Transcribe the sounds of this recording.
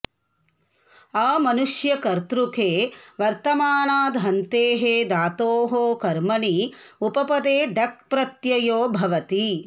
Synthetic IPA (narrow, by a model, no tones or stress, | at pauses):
aːmɐnuʂjɐkɐɾt̪ɾukʰeːʋɐɾt̪ɐmaːnaːd̪ʱɦɐnt̪eːɦeːd̪aːt̪oːɦoːkɐɾmɐɳiupɐpɐd̪eːɖɐk̚pɾɐt̪jɐjoːbʱɐʋɐt̪i